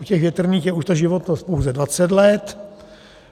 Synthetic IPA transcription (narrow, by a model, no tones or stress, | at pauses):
ucɛɣvjɛt̪r̩niːxjɛuʃt̪oʒɪvot̪nospowzɛdvat͡sɛt̪lɛt̪